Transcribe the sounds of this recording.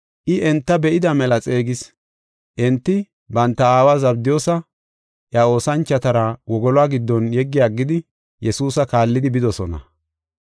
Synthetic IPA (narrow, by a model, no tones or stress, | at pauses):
ʔɪʔɛnt̪ːɐbɛʔɪd̪ɐmɛlɐt͡sʼe̞ːɡɪs | ʔɛnt̪ːɪ | bɐnt̪ːɐaːwazɐbd̪ɪjo̞ːsɐ | ʔjao̞ːsɐnt͡ʃːɐt̪ɐɾɐwɔɡɔlwaːɡɪd̪ːɔnjɛɡːɪjaːɡːɪd̪ɪ | jɛsuːsɐkaːlːɪd̪ɪbɪd̪ɔsɔnɐ̰